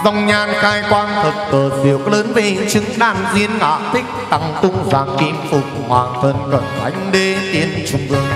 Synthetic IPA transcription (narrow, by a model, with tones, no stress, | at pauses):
za˧wŋ͡mɲaː˧˩nxaː˧jkwaː˧nt̪ʰə˨˩t̚t̪əː˨˩t̚zi˨˩əw̚ləː˨˦nmi˧˨˩ŋt͡ɕɨ˨˦ŋɗaː˧˩nzi˧ənŋɔ̰ː˧˨t̪ʰï˦˥k̚t̪a˧˨˩ŋkʊ˧ŋ͡mzaː˨˩nki˨˦mfʊ˨˩k͡p̚ŋwaː˨˩nfə˨˩nzə̰˧˨nt̪ʰa˨˦jŋ̟ɗe˧t̪i˨˦ənt͡ɕʊ˨˧˩ŋ͡mʔɨ˧˩əŋ